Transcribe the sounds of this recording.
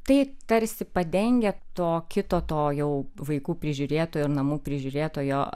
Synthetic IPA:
t̪ɐɪt̪ɐɾʲsʲɪpɐd̪ʲɛŋʲɡʲɛt̪oːkʲɪt̪oːt̪oːjɛʊʋɐɪkuːpʲɾʲɪʒʲʊːɾʲeːt̪oːjʊɪɾnɐmuːpʲɾʲɪʒʲʊɾʲeːt̪oːjoː

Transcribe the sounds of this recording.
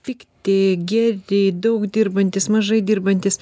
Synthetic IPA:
pʲɪkt̪ʲɪɡʲɛrʲɪd̪ɐʊkd̪ʲiːrbɐnʲt̪ʲɪsmɐʒɐɪd̪ʲiːrbɐnʲt̪ʲɪs

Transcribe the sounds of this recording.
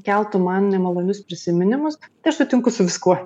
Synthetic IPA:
kʲɛlˠt̪ʊmɐnnʲɛmɐlˠoːnʲʊspʲɾʲɪsʲɪmʲɪnʲɪmʊst̪ɐɪɐʃsʊt̪ʲɪŋkʊsʊʋʲɪskuɔ

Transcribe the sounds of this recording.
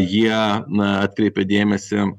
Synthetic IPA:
jiɛɑːt̪̚ʲkɾʲɛɪpʲɛd̪ʲeːmʲɛsʲɪ

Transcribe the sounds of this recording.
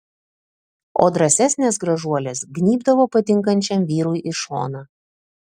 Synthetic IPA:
o̰ːd̪ɾɐsʲɛsʲnʲeːsɡɾɐʒuɔlʲeːsɡnʲiːbd̪ɐʋoːpɐt̪ʲɪŋkɐnʲt͡ʃʲɛmʋʲiːɾujʔɪʃo̰ːnɐ

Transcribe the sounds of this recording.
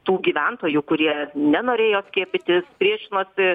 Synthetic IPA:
t̪uːɡʲiːʋʲɛnt̪oːjukʊɾʲiɛnʲɛnoːɾʲeːjoːsʲkʲiɛpʲɪt̪ʲɪspʲɾʲiɛʃʲɪnoːsʲɪ

